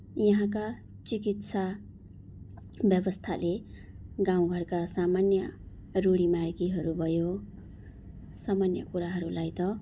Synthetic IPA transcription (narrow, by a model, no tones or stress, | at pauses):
jʌɦãk̬a | t͡sikit̪sa | bjʌbʌst̪ʰale | ɡãw̃ɡʱʌrkasamanjʌ | roɽimarɡiɦʌɾubʱʌjo | samanjʌ̰kuɾaɦʌɾulajt̪ʌ